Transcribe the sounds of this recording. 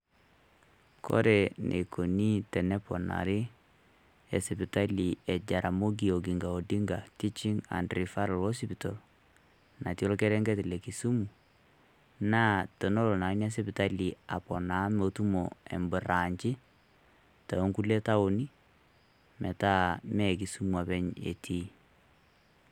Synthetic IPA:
kʰɔ̰˦ɾɛ˨nʔḛ˨kʰo˨ni˦tɛ˨nɛ˦pɔ˨na̰˨ɾɪ˦ | ɛ˨si˨pi˨ta˦li˨ɛ˨d͡ʒa˨ɾa˨mo˦ɡi˨o˨ɡi˨ŋɡa˨o˨di˦ŋɡa˨ti˦t͡ʃi˦ŋa̰˨ndɾi˨fa˦ɾɔ˨lɔ˦s̬i˦pi˨tɔ˨l | na˨tjɔ˦lkɛ˦ɾɛ˦ŋɡɛ˦tlɛ˨ki˨su˦mu˨ | naː˦tɔ˨no˦lɔ˨na˨˦na˦s̬ɛ˦pi˨ta˦li˨a˨pɔ˨na˨˦mo˨tu˦mɔ˨ɛ̰˨mbɨ˨ɾa˨ɲt͡ʃɪ˦ | ta˨o˦ŋku˦lɛ˦ta˦o˨ni˦ | mɛ˨taː˦mɛ˦˨ki˨su˦mua˨pɛ˦ɲḛ˨tʰi˦

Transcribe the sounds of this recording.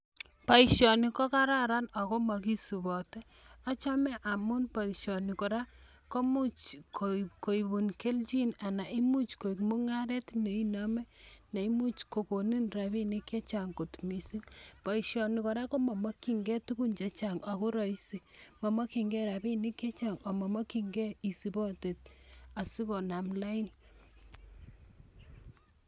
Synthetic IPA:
pa˨iʃɔ˨ni˨kɔ˦ka˦ɾa˦ɾa˦na˨ko˦ma˨ki˦su˨bɔ˨tɛ˦ | a˦t͡ʃa˦mɛ˦ʔa˨mu˦npa˨i˨ʃɔ˨ni˨kɔ˨ɾa˦ | ko˦mu˦t͡ʃkoko˨i˨βu˨nke˦lt͡ʃi˦na˨na˨ʔi˦mu˦t͡ʃko˨i˨kmo˦ŋa˦ɾɛ˦tne˨i˦na˦mɛ˦ne˨i˦mu˦t͡ʃko˨ko˨ni˦nɾa˨βi˦ni˦kje˦t͡ʃa˨ŋko˨tmi˨si˦ŋpa˨i˨ʃɔ˨ni˨kɔ˨ɾa˦kɔ˦mɔ˨mɔ˦ki˨ŋɡɛ˦tu˦ku˦nt͡ʃa˨t͡ʃaŋa˨ku˦ɾɔ˨i˦si˨mɔ˨ma˦ki˨ŋɡɛ˦ɾa˨bi˦ni˦kjt͡ʃa˨ŋa˨mɔ˨mɔ˦ki˨ŋɡɛ˦i˨si˨bɔ˦te˨t̚a˨si˦kɔ˨na˨mla˦i˦n

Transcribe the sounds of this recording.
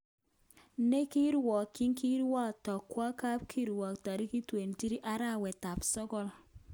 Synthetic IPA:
ne˦ki˦ɾwɔ˨kːi˦ŋki˦ɾwa˦˨tɔ˨kwa˦ka˦p̚kʰi˦ɾwɔ˨k̚ta˨ɾi˦ki˦twe˨nti˦ɾi˦ʔa˦ɾa˦˨wɛ˨ta˨psɔ˦ɡɔ˦l

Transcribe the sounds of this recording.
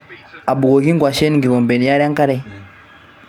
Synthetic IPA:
a˨bu˨ɡo˨ki˦ŋɡwa˨ʃe˦ni˨ŋɡi˨βo˨mbe˨ni˨ja˦ɾja˦ŋka˦ɾe˦

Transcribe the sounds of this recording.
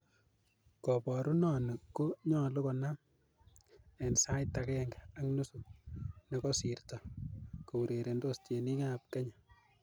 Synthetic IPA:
kɔ˨pɔ˨ɾu˦nɔ˨ni˨ko˦ɲɔ˦lo˦kɔ˨na˦m | ɛ˨nsa˦jta˨kɛ˦ŋɡa˨a˦knu˦su˨nɛ˦kɔ˦si˨rta˨ko˨u˨ɾe˨ɾe˨ndo˦ste˨ni˦ŋa˦p̚kɛ˦ɲa˨

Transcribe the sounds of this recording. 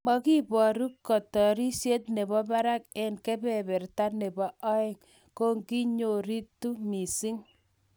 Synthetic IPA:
mɔ˦ki˦bɔ˨ɾu˦kːɔ˨tɔ˨ɾi˦sje˦t̚ne˨bɔ˦ba˦ɾa˦k̚ɛ˦nkɛ˦bɛ˨bɛ˨ɾta˦ne˨bɔ˦ɔ˦ɪ˦˨ŋ | ko˦ŋɡi˦ɲo˨ɾi˦tːu˦mi˨si˦ŋ

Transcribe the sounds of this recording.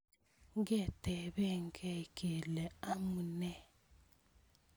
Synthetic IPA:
ŋɡɛ˦˨tɛ˨βɛ˦ŋɡɛ˦˨kʼɛ˨lɛ˨a˦mu˨nɛ˦˨

